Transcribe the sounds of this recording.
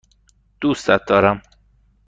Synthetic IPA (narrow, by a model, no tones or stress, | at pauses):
d̪̥uːst̪æt̪̚d̪ɒːɾæm